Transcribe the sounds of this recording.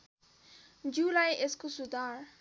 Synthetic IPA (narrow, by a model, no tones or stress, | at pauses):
d͡ʒulajʔeskusud̪aɾ